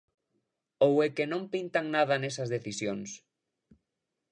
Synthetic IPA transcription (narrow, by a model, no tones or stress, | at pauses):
owekenõmpint̪aŋnaðɐnesɐzðeθisjoŋs